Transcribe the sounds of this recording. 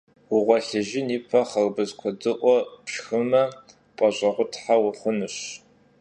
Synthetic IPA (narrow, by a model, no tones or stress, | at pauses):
wʊʁʷɔɬɨʒɪniːpʰɐχɐrbɨzkʷʰɔdɨʔʷɔpʃxɨmɐ | pʼɐɕʼɐʁʷʊtʰħawʊχʷʊnɨɕ